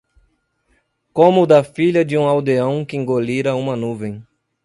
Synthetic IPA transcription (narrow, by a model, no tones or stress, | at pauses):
kõmʊd̪ɐfiʎɐd͡ʒɪũawd̪eɐ̃w̃kɪẽŋɡoliɾɐũmɐnuvẽj̃